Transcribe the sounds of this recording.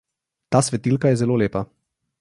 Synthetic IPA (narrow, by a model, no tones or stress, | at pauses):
t̪aːsʋɛt̪ilkajɛzɛloːleːpa